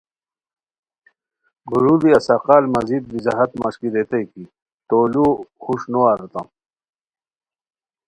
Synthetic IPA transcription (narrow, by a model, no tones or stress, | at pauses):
ɡuɾubiɐsaqaːlmɐzid̪̚bizaɦɐt̪ma̰ɕkiɾet̪ɐjki | t̪oːluxuʂnoaːɾɐt̪a̰m